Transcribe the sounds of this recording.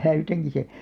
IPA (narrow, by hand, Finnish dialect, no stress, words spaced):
næytæŋki se